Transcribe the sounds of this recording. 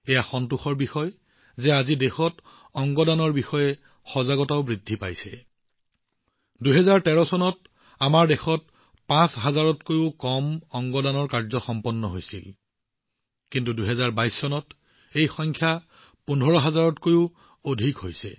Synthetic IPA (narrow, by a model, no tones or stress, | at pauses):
ɛjaxɔntuxɔɹbixɔj | zɛazidexɔt | ɔŋɡɔdanɔɹbixɔjɛ | xɔzaɡɔtaʊbɹidʱːipa̰jsɛ̰ | duɦɛzaɹtɛɹɔsɔnɔt̚ | amaɹdexɔt | pãsɦazaɹɔtkojʊkɔmɔŋɡɔdanɔɹkaɹzɔxɔmpɔnːɔɦojsḭl | kintuduɦɛzaɹbajsːɔnɔt | ejxɔjŋkʰja | punʱɔɹɔɦazaɹɔtkojʊ | odʱikɦojsɛ̰